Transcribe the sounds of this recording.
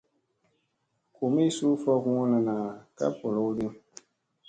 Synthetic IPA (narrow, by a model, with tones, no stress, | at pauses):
ko˨mi˦su˦fɔ˦ɣũ˦na˨naː˨ka̰˦pɔ˨lɔ˦de˦m